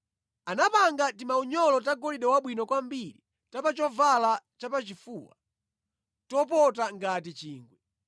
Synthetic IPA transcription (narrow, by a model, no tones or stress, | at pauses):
anapaŋɡatimauɲɔlɔtaɡɔliɗɛwaɓwinɔkwambiɾi | tapat͡ʃɔvalat͡ʃapat͡ʃifuːwa̰ | tɔpɔtaŋɡatit͡ʃiːŋɡwɛ